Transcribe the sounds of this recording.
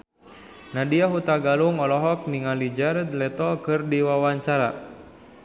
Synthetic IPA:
nadiaɦut̪aɡaluŋɔlɔɦɔk̚niŋalid͡ʒaɾd̪lɛt̪ɔkɨrdiwawaɲt͡ʃaɾa

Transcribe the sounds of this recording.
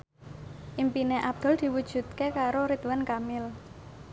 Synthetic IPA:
ʔimpineʔab̚d̪̥ɔ̤ld̪̥i̤wud̥ʒ̥ṳt̪̚kekaɾoɾit̪wankamɪl

